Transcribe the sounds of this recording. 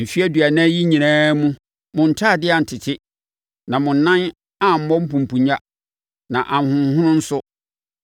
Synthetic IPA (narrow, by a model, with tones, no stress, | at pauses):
m̩˨fi˦æ˦dɥæ˨nã˦ji˦ɲĩ˨nãː˦mũ˦ | mʊ̃˨n̩˨tʰaː˦˨dɪ˦a˨n̩˨tʰɪ˨tʰɪ˦ | nã˨mʊ̃˨n̩ː˨˦ã˦n | a˦˨m̩˨mɔ̃˦m̩˦pũ˨m̩˨pʰũ˨ɲa˦ | nã˨ʔã˨n˨hʊ̃˨˦hʊ̃˦nʊ̃˦n̩˦sʊ˦